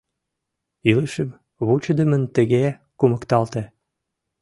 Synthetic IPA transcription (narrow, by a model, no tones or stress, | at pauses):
iləʃəm | βut͡ɕəd̪əmənt̪ə̆ɣe | kuməkt̪ɑlt̪e